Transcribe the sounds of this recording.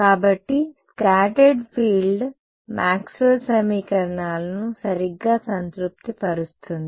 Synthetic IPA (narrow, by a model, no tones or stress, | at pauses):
kaːbɐʈːiskɾaːʈeɖpʰiːlɖ | mʔaːksolsɐmiːkɐɾɐɳaːlɐnusɐɾiɡːaːsɐnt̪ɾup̚t̪ipɐɾust̪und̪ii